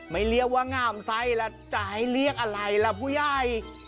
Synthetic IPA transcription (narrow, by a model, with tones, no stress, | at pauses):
ma˧˥˩jli˧˥˩ək̚waː˧˥˩ŋaː˧˩msa˧˥jlɛ˦˥t͡ɕa˨˩ha˥˩jli˦˥˩ək̚ʔa˧ɾa˧jlɛ˧˥pʰuː˥˩jaː˧˩j